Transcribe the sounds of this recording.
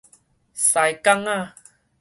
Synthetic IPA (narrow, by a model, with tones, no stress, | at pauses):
sa˨jka˦˧ŋa˦˨